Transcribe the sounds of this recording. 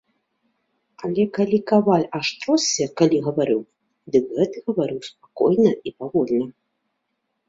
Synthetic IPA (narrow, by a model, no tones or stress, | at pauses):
alʲɛkalʲikavalʲaʂt̪ɾɔsʲːɛkalʲiɣɐvaɾɨw | d̪ɨkɣɛt̪ɨɣɐvaɾɨwspakɔ̰jnɐipaɣɔlʲnɐ